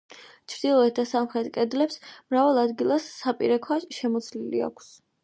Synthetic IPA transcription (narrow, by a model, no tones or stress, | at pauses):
t͡ʃʰɾd̪̥ilˠɔɛt̪̚d̪asamχɾɛt̪kʼɛd̪lɛpsmɾavalˠad̪ɡilˠasːapʼḭɾɛkʰwaʃɛmɔt̪sʰlilḭa̰kʰs